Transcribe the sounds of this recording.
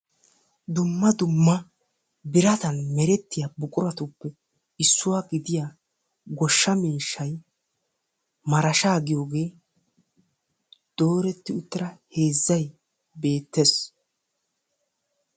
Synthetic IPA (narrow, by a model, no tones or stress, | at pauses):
d̪ʊmːɐd̪ʊmːɐ | bɪɾɐt̪ɐnmɛɾɛt̪ːɪjaːbʊkʼʊɾɐt̪ʊpːɛ | ɪsːʊwaːɡɪd̪ɪjaː | ɡɔʃːɐmiːʃːɐj | mɐɾɐʃaːɡɪjo̞ːɡe̞ː | d̪̥o̞ːɾɛt̪ːɪʊt̪ːɪɾɐhe̞ːzːɐj | be̞ːt̪ːes